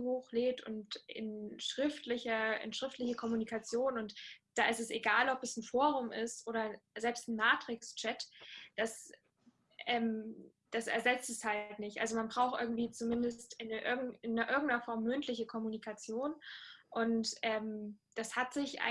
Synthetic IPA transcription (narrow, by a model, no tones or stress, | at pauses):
hoːxleːp̚tʊ̰ntɪ̰nʃʁ̥ɪftlɪçɐɪ̰nʃʁ̥ɪftlɪçəkʰɔmunikʰat͡sjoːnʊntd̥aːɪstɛseɡaːlɔpɛsn̩foːʁʊmʔɪstʔoːɾɐzɛlpstn̩maːtʁ̥ɪkst͡ʃɛtd̥as | ɛːm | d̥asɛ̰ɐzɛt͡stɛshaltnɪçtʔalzomanbʁaʊxtʔɪ̰ɐɡŋ̩tv̥iːt͡sumɪndəstɪnʔɪɐɡŋ̩ɪnːəʔɪɐɡŋ̩tnɐfɔɐmːʏntʰlɪçəkʰɔmunikʰat͡sjoːnʔʊntʔɛːmd̥ashatz̥ɪçʔa̰ɪ